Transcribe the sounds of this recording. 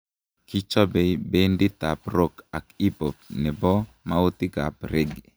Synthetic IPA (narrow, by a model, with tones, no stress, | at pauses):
ki˦t͡ʃɔ˦be˨be˦ndi˦t̪a˨pro˦ka˨ki˦po˨p̚nɪ˨bɔ˦ | ma˦o˦t̪ɪ˦ɡa̰˨pɾe˦ɡḛ˨